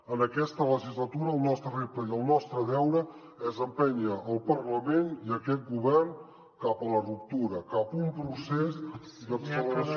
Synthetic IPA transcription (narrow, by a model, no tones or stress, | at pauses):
ənəkɛst̪ələʒizlət̪uɾəːlˠnɔst̪ɾərep̚t̪əiəlˠnɔst̪ɾəðɛwðə | əzəmpɛɲəʔːlˠpərləmeniəkɛt̪̚ɡuβɛrn | kapələrup̚t̪uɾəkapumpɾusezd̪əksələɾəs